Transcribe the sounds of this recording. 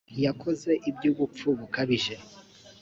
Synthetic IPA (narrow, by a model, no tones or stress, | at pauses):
jakʰo̞ze̞ʔib̚ɟuːβup͡fuβukaβiʒe̞